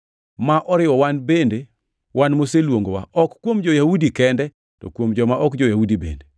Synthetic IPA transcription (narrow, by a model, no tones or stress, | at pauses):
maʔɔɾɪwɔwanbende | wanmoselwoŋɡowa̰ɔkːwomd͡ʒɔjawudikɛndɛ | tɔ̰kwomd͡ʒɔmaʔɔkd͡ʒɔjaudibḛnde